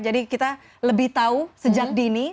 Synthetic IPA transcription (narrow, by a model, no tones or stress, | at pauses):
d͡ʒadikit̪a | ləbɪht̪ausəd͡ʒak̚dini